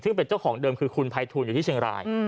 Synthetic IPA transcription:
sʰɯ˥˩ŋpe˧nt͡ɕa˥˩wkʰɔː˩˦ŋdɤː˧mkʰɯː˧kʰu˧npʰaː˧jt̪ʰuː˧njuː˨˩iː˥˩t͡ɕʰi˧əŋɾa̰ː˧j

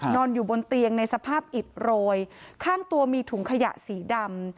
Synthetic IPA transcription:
nɔː˧njuː˨˩bo˧nt̪i˧əŋna˧jsa˧pʰaː˥˩p̚ʔi˨˩t̪̚ɾoː˧jkʰaː˥˩ŋt̪u˧ɐmiː˧t̪ʰuː˩˦ŋkʰa˧ja̰˨˩ʔsiː˩˦da˧m

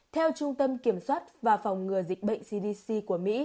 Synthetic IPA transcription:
t̪ʰɛ˧wt͡ɕʊ˧ŋ͡mt̪ə˧mki˧˩əmswaː˦˥t̚vaː˨˩fa˨˩wŋ͡mŋɨ˨˩əzi˨˩k̟̚ɓə̰˧˨ŋ̟si˧ɗi˧si˧ku˧˩əmḭ˧˥

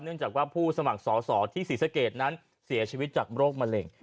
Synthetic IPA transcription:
nɯ˥˩əŋt͡ɕaː˨˩kwaː˥˩pʰuː˥˩sa˧ma˨˩k̚sɔː˩˦sɔː˩˦t̪ʰiː˥˩si˨˩˦sa˧keː˨˩t̪̚na˦˥n | si˨˩˦ɐt͡ɕʰiː˧wi˦˥t̪̚t͡ɕaː˨˩k̚ɾoː˥˩k̚ma˧le˧ŋ

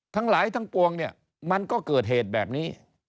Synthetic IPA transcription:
t̪ʰa˦˥ŋlaː˩˦jt̪ʰa˦˥ŋpu˧əŋni˥˩ɐ | ma˧nkɔː˥˩kɤː˨˩t̪̚ɦeː˨˩t̪̚bɛː˨˩p̚niː˦˥

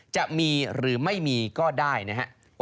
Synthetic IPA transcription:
t͡ɕa˨˩ʔmiː˧ɾɯː˩˦ma˥˩jmiː˧kɔː˥˩daː˥˩jna˦˥kʰa̰˦˥ʔ

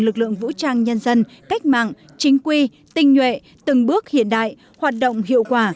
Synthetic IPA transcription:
lɨ˨˩k̚lɨ̰˧˨əŋvṵ˧˥t͡ɕaː˧ŋɲə˧nzə˧n | ka˦˥k̟̚ma̰ː˧˨ŋ | t͡ɕï˨˦ŋ̟kwi˧ | t̪ï˧ŋ̟ɲwḛ˧˨ | t̪ɨ˨˩ŋɓɨ˦˥ək̚hḭ˧˨ənɗa̰ː˧˨j | hwaː˨˩t̚ɗo̰˧˨wŋ͡mhḭ˧˨əwkwaː˧˩

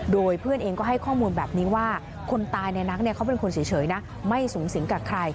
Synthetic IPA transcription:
doː˧jpʰɯ˥˩ənʔeː˧ŋkɔː˥˩ɦa˥˩jkʰɔː˥˩muː˧nbɛː˨˩p̚niː˦˥waː˥˩ | kʰo˧nt̪aː˧jna˧jna˦˥k̚ni˥˩ɐkʰa˦˥wp̬e˧nkʰo˧nsʰiː˨˩˦t͡ɕʰɤː˩˦jna˦˥ | ma˥˩jsuː˩˦ŋsi˨˩˦ŋkaː˨˩kʰɾa˧j

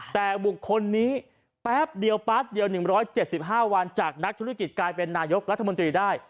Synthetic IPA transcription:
t̪ɛː˨˩bu˨˩kʰːo˧nːiː˦˥ | pɛː˦˥p̚di˧əwpa˦˥t̪̚di˧əwnɯ˨˩ŋɾɔː˦˥jt͡ɕe˨˩t̪̚si˨˩p̚ɦaː˥˩wa˧nt͡ɕaː˨˩k̚na˦˥k̚t̪ʰu˦˥a˥ki˨˩t̪̚klaː˧jpe˧nːaː˧jo˦˥k̚ɾa˦˥t̪ʰːa˧mo˧nt̪ɾiː˧daː˥˩j

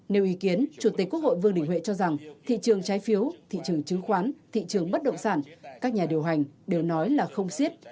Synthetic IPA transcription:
ne˨˧wʔi˨˦ki˨˦ənt͡ɕu˧˩t̪i˨˩k̟̚ku˥ək̚ho̰˧˨jvɨ˧əŋɗï˧˩ŋ̟hwḛ˧˨t͡ɕɔ˧za˨˩ŋt̪ʰḭ˧˨t͡ɕɨ˨˩əŋt͡ɕaː˨˦jfi˨˦əwt̪ʰḭ˧˨t͡ɕɨ˨˩əŋt͡ɕɨ˨˦ŋxwaː˨˦nt̪ʰḭ˧˨t͡ɕɨ˨˩əŋɓə˦˥t̚ɗə̰˧˨wŋ͡msaː˧˩nkaː˦˥k̚ɲaː˨˩ɗi˨˩əwɦa˨˩jŋ̟ɗe˨˩wnɔ˨˦jlaː˨˩xə˧wŋ͡msi˦˥ət̚

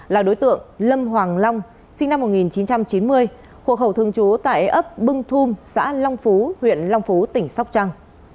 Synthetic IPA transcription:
laː˨˩ɗo˨˦jt̪ɨ̰˧˨əŋlə˧mɦwaː˨˩ŋla˧wŋ͡m | sï˧ŋna˧mːo˨˩ŋi˨˩nt͡ɕi˨˦nt͡ɕa˧mt͡ɕi˨˦nmɨ˧əj | xo̰˧˩xə˧˩wt̪ʰɨ˧əŋt͡ɕu˨˦t̪a̰ː˧˨jʔə˦˥p̚ɓɨ˧ŋt̪ʰu˧msa̰ː˧˥la˧wŋ͡mfu˨˦hwḭ˧˨ənla˧wŋ͡mfu˨˦t̪ï˧˩ŋ̟sa˦˥k͡p̚t͡ɕa˧ŋ

